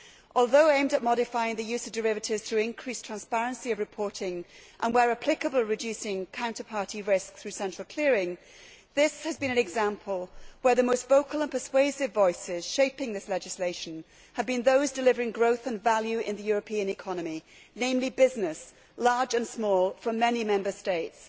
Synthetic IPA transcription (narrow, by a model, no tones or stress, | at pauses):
ʔɔlˠðoʊẽɪ̃mdəʔ̚mɑɾɨfaɪɪ̃ŋðɨjʉzʌvdəɹɪvɨtɪvz̥θɹʉɪ̃nkʰɹ̥istʰɹ̥æ̃nspæɹɨ̃nsiʌvɹɨpʰɔɹɾɪ̃ŋʔə̃nwəɹəpʰl̥ɪkəbəl̩ˠɹɨdʉsɪ̃ŋkʰãʊ̃ntəpʰɑɹɾiɹɪsk̚θɹʉsɛ̃nt͡ʃɹ̥lˠkʰl̥ɪəɹɪ̃ŋ | ðɪshɨzbɨ̃ñɨ̃nɨɡzæ̃mpʰəl̩ˠwə˞ðɨmoʊstv̥oʊkl̩ˠə̃npʰə˞sweɪsɨvɔɪsɪz̥ʃeɪpɪ̃ŋðɪslɛd͡ʒɨsleɪʃɨ̃n̩ | ɨvbɨ̃nðoʊzdɨlɪvə˞ɪ̃ŋɡɹoʊθə̃nvælˠjʉʔɪ̰̃nðɨjʊɹɨpʰĩɨ̃nɨkʰɑnɨmi | nẽɪ̃mlibɪznɪs | lɑɹd͡ʒɨ̃nsmɔlˠfɹʌ̃mːɛnimɛ̃mbə˞steɪts